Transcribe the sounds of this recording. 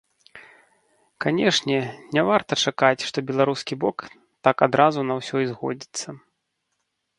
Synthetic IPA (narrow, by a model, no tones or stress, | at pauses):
kanʲɛʂnʲɛnʲɛvart̪ɐt͡ʂakat͡sʲʂt̪ɔbʲɛlˠaɾuskʲibɔk | t̪akad̪ɾazunɐwsʲɔizɣɔ̰d͡zʲit̪sːɐ